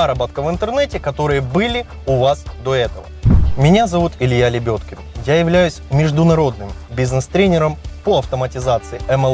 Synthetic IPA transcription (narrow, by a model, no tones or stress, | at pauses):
aɾɐbat̪̚kəvɨnt̪ɨrnɛtʲɪkɐt̪o̞ɾɨjəbɨlʲɪ | ʊvasd̪o̞ɛt̪əvə̰mʲɪnʲazɐvut̪ɪlʲjalʲɪbʲo̞t̪kʲɪmjajɪvlʲæjʉsʲmʲɪʐd̪ʊnɐɾo̞d̪nɨmbʲiznɛst̪ɾʲenʲɪɾəmpoɐft̪əmətʲɪzat̪sɨɪɛmɛ